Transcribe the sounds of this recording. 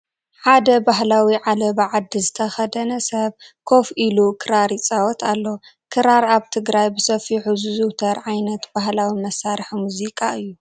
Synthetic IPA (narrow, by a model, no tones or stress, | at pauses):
ħad̪ɐbaɦlawiʕalɐbaʕad̪ːizɨt̪ʰɐxɐd̪ɐnɐsɐβkʰo̞filukʰɨɾaɾit͡sʼawɔt̪ʰalːokʰɨɾaɾaβt̪ʰɨɡɾajbɨsɐfiħuzɨzut̪ʰɐɾʕajnɐt̪b̥aɦlawimɐsaɾħmuzikʼaɨjːu